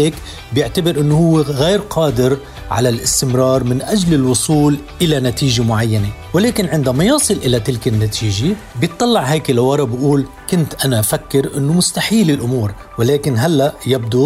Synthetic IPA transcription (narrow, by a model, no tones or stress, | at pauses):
eːk | bjɪʕt̪abɪɾʔɪnːohʊwːeɣeːɾqʰɑːd̪ɪɾ | ʕa̰lalʔɪst̪ɪmɾˤɑːɾˤmɪnʔaʒlɪlwʊsˤuːlʔɪlanat̪iːʒemʊʕajːane | wɪleːkɪnʕɪnd̪amajɑːsˤɨlʔɪlat̪ɪlkɪnːat̪ʰiːʒe | bjɨt̪ˤːɑlːɑʕheːkɪlawɑɾˤɑbɪʔuːl | kʊnt̪ʔanafakːɪɾʔɪ̰nːʊmʊst̪aħiːlɪlʔʊmuːɾ | wɪleːkɪnɦalːaʔjab̚d̪u